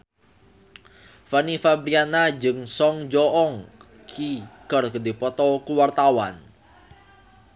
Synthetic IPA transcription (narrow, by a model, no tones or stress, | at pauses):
fanifabɾianad͡ʒɨŋsɔŋd͡ʒɔʔɔŋ | kʰikərkədipɔt̪ɔkuwart̪awa̰n